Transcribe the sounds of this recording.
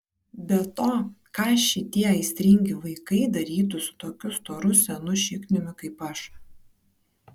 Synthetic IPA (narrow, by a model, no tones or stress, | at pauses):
bʲɛt̪oːkɑːʃʲɪt̪ʲiɛɐɪsʲt̪ʲɾʲɪŋʲɡʲɪʋɐɪkɐɪd̪ɐɾʲiːt̪ʊsʊ̥t̪oːkʲʊst̪oːɾʊsʲɛnʊʃʲɪknʲʊmʲʊkɐɪpɐʃ